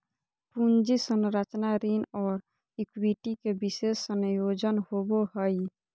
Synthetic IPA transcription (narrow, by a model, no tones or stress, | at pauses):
pund͡ʒisənɾat͡ʃnaɾinɔːɾ | ikwiʈikebisessənjod͡ʒənhoboɦəj